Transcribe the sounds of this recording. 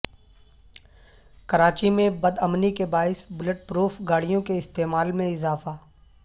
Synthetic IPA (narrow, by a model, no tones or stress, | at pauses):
kɐɾaːt͡ʃimẽbɐd̪ɐmnikebaːɪsbʊləʈ̚pɾuːfɡaːɽijõkeɪst̪eːmaːlmẽɪzaːfaː